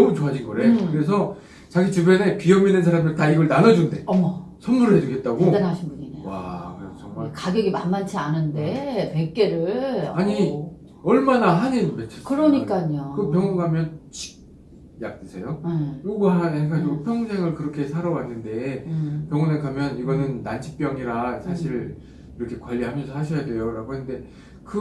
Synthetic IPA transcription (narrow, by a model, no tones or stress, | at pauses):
nʌmut͡ɕoɦad͡ʑʰinɡʌɾekɯɾe̞s̬ʰʌ | t͡ɕaɡit͡ɕɯbjene̞kijʌminɯnsʰaɾamdɯtaiɡʌɭnanʌd͡ʑunde̞ʌmsʰʌnmuɾɯɭɦhe̞d͡ʑuɡe̞t̚t͈aɡodanaɕʰinbuɲinewa̰kɯɾesʌt͡ɕʌŋmakaɡjʌɡima̰nmant͡ɕʰianɯnde̞pek͈e̞ɾɯɭaɲi | ʌɭmanaɦaninmet͡ɕʰeskɯɾʌɲik͈aɲokɯpʰjʌŋuŋɦamjʌnt͡ɕʰi̥k̚ | jak̚t͈ɯsʰe̞jouɡaɦanekɡad͡ʑiɡopʰjʌŋsʰe̞ŋɯɭkɯɾʌkʰe̞sʰaɾʌwanːɯnde̞pjʌŋunenkamjʌniɡʌnɯnːant͡ɕʰi̥p͈jʌŋiɾasʰaɕʰiɭ | iɾʌkʰe̞kwaʎːiɦamjʌnsʰʌhaɕ̬ʰʌjadwe̞joɾaɡohende̞ | kɯ